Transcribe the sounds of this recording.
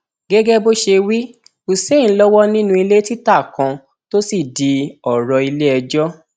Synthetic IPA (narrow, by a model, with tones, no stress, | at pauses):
ɡɛ˦ɡɛ˦bo˦ʃe˧wi˦ | u˨sẽ˦˨˦lɔ˦wɔ˦nĩ˦nũ˦i˧le˦ti˦ta˦˨kã˧ | to˦si˦˨di˧ɔ˨ɾɔ˧i˧le˦ɛ˧d͡ʒɔ˦